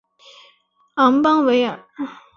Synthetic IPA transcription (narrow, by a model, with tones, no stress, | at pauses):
ɑ˧˥ŋpɑ˥ŋwe˧˥ɪə˨˩˦